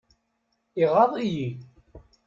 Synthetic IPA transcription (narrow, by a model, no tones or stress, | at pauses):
iʁɑðˤiji